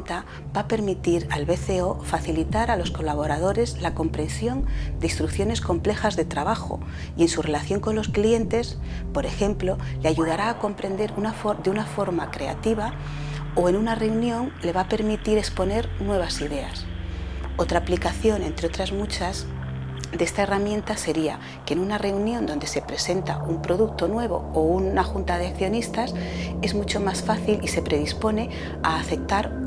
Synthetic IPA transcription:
t̪a | b̥ape̞ɾmit̪iɾaelβe̞θe̞o̞faθilit̪aɾalo̞sko̞laβ̞o̞ɾað̞o̞ɾe̞zlako̞mpɾe̞nsjo̞nd̪eist̪ɾukθjo̞ne̞sko̞mple̞xazðet̪ɾaβ̞axo̰ | ie̞nsure̞laθjo̞ŋko̞nlo̞sklie̞nt̪e̞s | po̞ɾe̞xe̞mplo̞leaʝuð̞aɾaːko̞mpɾe̞nd̪e̞ɾunafod̪eunafo̞ɾmakɾe̞a̰t̪iβ̞a | oe̞nunare̞unjõ̞ŋle̞βape̞ɾmit̪iɾe̞spo̞ne̞ɾnwe̞β̞asiðe̞a̰s | o̞t̪ɾaːplikaθjo̞nẽ̞nt̪ɾeo̞t̪ɾazmut͡ʃaz | d̪e̞st̪ae̞ramjẽ̞nt̪ase̞ɾia̰ | kenunare̞unjõ̞nd̪o̞nd̪e̞se̞pɾe̞se̞nt̪aumpɾo̞ðuk̚t̪o̞nwe̞β̞o̞̰ounaxunt̪að̞e̞akθjo̞nist̪as | e̞zmut͡ʃo̞masfaθilise̞pɾe̞ð̞ispo̞ne̞ | aːfe̞k̚t̪aɾ

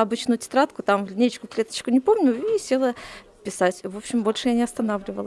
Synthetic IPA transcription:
ɐbɨt͡ɕnʊjʊtʲɪ̥t̪ɾat̪kʊt̪amvlʲɪnʲet͡ɕkʊklʲe̞t̪ə̥t͡ɕkʊnʲɪpo̞mnʲʊisʲe̞lˠə | pʲɪsatʲvo̞pɕɪmbo̞lʲʂɨjanʲɪɐst̪ɐnavlʲɪvəlˠə

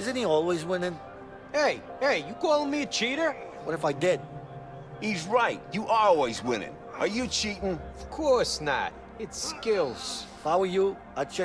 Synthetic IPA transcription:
ɪzɨ̃n̩hiɔlˠwizwɪ̃nɪ̃ŋ | eɪeɪjɨkɔlˠɪ̃ŋmiɨt͡ʃʰiɾə˞wʌɾɨfaɪdɪd̥̚ | hizɹaɪt̚jɨʔɔlˠwizwɪ̰̃ñɪ̰̃ŋ | ʔə˞jɨt͡ʃʰiʔŋʌv̥kʰɔɹsnə̰t̚ | ɨtskɪlˠz̥ | faʊəjə | at͡ʃʰɛ

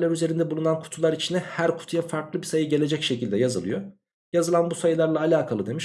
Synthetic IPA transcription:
lʲæɾyze̞ɾind̪ɛbulˠunankʰu̥t̪ʰulˠaɾit͡ʃʰinɛhæɾkʰu̥t̪ʰujafaɾklˠɯbisajɯɟe̞lʲe̞d͡ʒɛcʃe̞cilʲd̪ɛjazɯ̰lˠɯ̰jo̞ | jazɯlˠanbusajɯlˠaɾlˠaːlʲaːkʰalˠɯd̪e̞miʃ

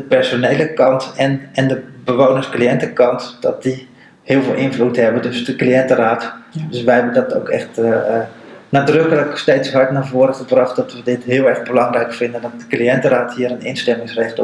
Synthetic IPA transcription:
əpɛrsoneːləkɑntɛnɛndəbəʋoːnəskliɛntəkɑntd̥ɔt̚di | hɪəlˠvɪːlˠʔɪnvluthɛbədøsdəkliɛntəraːtdøsʋɛɦɛbəndɔto̰wkʰɛ̰xt | naːdrøkələksteːtsɦɑɹtnaːvoəɾəxəbrɑχt̚dɔtʋədɪtɦɪəlˠɛrɣbəlɑŋrɛjkfɪndəndɔt̚dəkliɛntəraːthiːəɾənɪ̰nstɛmɪŋsrɛxt

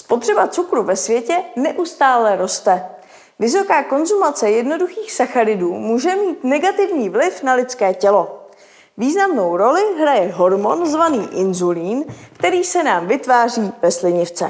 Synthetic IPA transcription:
spo̞t̪r̝̥ɛbat͡sukɾuvɛsvjɛcɛnɛʔust̪aːlɛɾo̞st̪ɛ | vɪso̞kaːko̞nzumat͡sɛjɛdno̞duxiːxsaxaɾɪduːmuːʒɛmiːt̪nɛɡat̪ɪvɲiːvlɪfnalɪt͡skɛːcɛlo̞ | viːznamno̞wɾo̞lɪɦɾajɛɦo̞ɾmo̞nzvaniːʔɪnzuliːnkt̪ɛɾiːsɛnaːmvɪt̪vaːr̝iːvɛslɪɲɪft͡sɛ̰

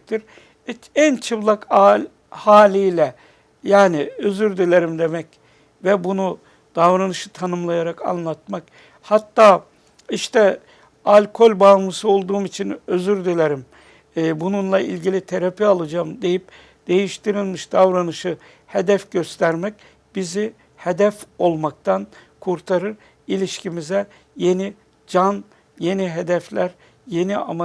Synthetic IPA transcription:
t̪ʰiɾ | ænt͡ʃʰɯblˠakalʲ | haːlʲijlʲɛ | jaːniøzyɾd̪elʲeɾimd̪e̞mɛc | vɛbunu | d̪̥avɾanɯʃɯt̪ʰanɯmlˠajaɾaka̰nlˠat̪̚mak | hat̪ːaː | iʃt̪ʰɛ | alʲkʰo̞lʲbamlˠɯsɯo̞lˠd̪uːmit͡ʃʰinøzyɾd̪elʲeɾimː | bununlˠaḭlʲɟilʲit̪ʰeɾapialˠad͡ʒaːmd̪e̞jip̚ | d̪̥e̞jiʃt̪iɾilʲmiʃd̪avɾanɯʃɯ | he̞d̪ɛfɟøst̪ʰæɾmɛc̚ | b̥izi | hed̪ɛfo̞lˠmak̚t̪ʰankʰuɾt̪ʰaɾɯɾ | ilʲiʃcʰimizɛ | je̞ni | d͡ʒan | je̞niɦed̪ɛflʲæɾ | je̞nia̰ma

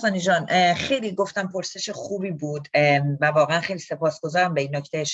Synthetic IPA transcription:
sɒːnid͡ʒɒːnxe̞jliːɡo̞ft̪æmpʰo̞ɾse̞ʃeχuːbiːbuːd̪vævɒːɣeænxe̞jliːse̞pɒːsɡ̥ozɒːɾæmbeinːocʰt̪ʰejeʃ

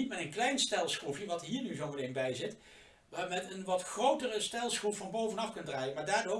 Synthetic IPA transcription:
itmɛtənklɛjnstɛlˠsχrupjəʋɑtɦiːɹnyzovəlenbɛjzɪt | mɛtənʋɑtχrowtərəstɛlˠsχrupfɑnbowvənɑfkɵndraːjənmaːɹdaːɹdo

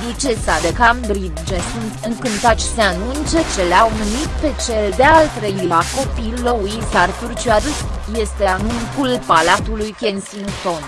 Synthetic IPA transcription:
lit͡ʃesad̪ekamd̪ɾid̪d͡ʒesunt̪ɨŋkɨnt̪at͡ʃseanunt͡ʃet͡ʃeleawmɨnit̪̚pe̞t͡ʃe̞ld̪ealt̪ɾejilako̞pilːouisart̪urt͡ʃiaɾɨt̪je̞st̪eanuŋkulpalat̪ulujkʲensinson

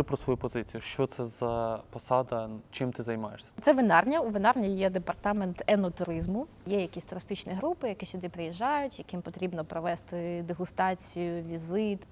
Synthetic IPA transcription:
ɪpɾɔsʋɔjupɔzɪt͡sʲijʊʃt͡ʃɔt̪sɛzɐpɔsɑd̪ɐt͡ʃɪmt̪ɪzɐjmɑjeʂsʲɐt̪sɛʋɪnɑrnʲɐuʋɪnɑrnʲijɛd̪epɐrt̪ɑment̪ɛnɔt̪ʊɾɪzmʊ | jɛjɐkʲisʲt̪ʊɾɪst̪ɪt͡ʃnʲiɦɾupɪjɐkɪsʲʊd̪ɪpɾɪjiʒːɑjʊtʲjɐkɪmpɔt̪ɾʲibnɔpɾɔʋɛst̪ɪd̪eɦʊst̪ɑt͡sʲijʊʋʲizɪt̪

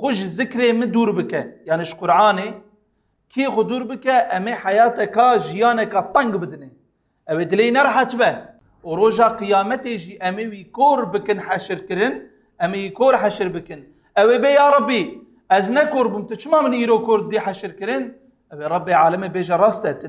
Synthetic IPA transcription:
xʊʒɪzɨkɾeːmɨd̪uːɾbɨkɛjɑːniʒqʊɾʕɑːneː | kʰixʊd̪uːɾbɨkɛʔɛmeːħajɑːt̪ɛkɑʒijɑːnɛkɑːt̪ˤɛŋɡbɨd̪ɨnɛ | ɛweːd̪ɨleːjinɛɾˤɑħat̪ɨbɛ | uɾoːʒɑːqɨjɑːmɛt̪eːʒiːʔɛmeːwiːkoːɾbɨkɨnħɛʃɨɾkɨɾɨn | ɛmewiːkoːɾħɛʃɨɾbɨkɨn | ɛweːbejɑːɾˤɑbiː | ɛznɛkoːɾbuːmt̪ɨt͡ʃʰɨmɑːmɨniːɾoːkʰoɾ̚d̪iːħɛʃɨɾkɨɾɨn | ʔɛweːɾˤɑbːeːʕaːlɛmeːbeːʒɛɾˤɑːst̪ɛt̪ɨn

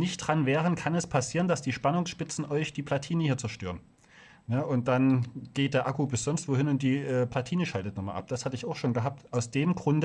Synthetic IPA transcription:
nɪçtd̥ʁanvɛːʁ̞ənkʰanɛspʰasiːʁəndasd̥iːʃpanʊŋsʃpɪt͡sn̩ʔɔʏçd̥iːpʰlatʰiːnəhiːɐt͡sɛɐʃtøːʁən | jaːʔʊnt̚d̥anɡ̥eːt̚d̥eːɐʔakubɪsz̥ɔnstv̥oːhɪnʊnt̚d̥iːʔɛːplatʰiːnəʃaltətnɔχma̰lʔa̰p̚d̥ashatəɪçaʊxʃoːnɡəɦaːp̚tʔaʊsd̥eːmɡʁʊndə

